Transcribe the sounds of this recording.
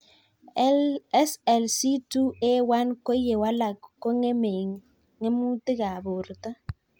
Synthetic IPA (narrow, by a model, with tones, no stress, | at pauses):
sɛ˨lsi˦tu˦e˦wa˦nko˦je˨wa˦la˨kkːo˦ŋe˦me˨ŋː | e˦mu˦tɪ˦ka˨bo˨ɾta˦